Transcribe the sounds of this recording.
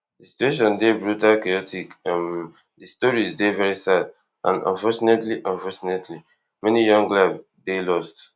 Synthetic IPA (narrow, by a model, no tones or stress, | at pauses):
dəsi̥tueʃɔ̃ndebɹutalkajɔtikãn | disi̥tɔɹizdevɛɹisad | ʔã̰ndã̰nfɔt͡ʃɔnetliʔãnfɔt͡ʃɔnetʰli | mɛnijɔ̃ŋɡlab | delɔst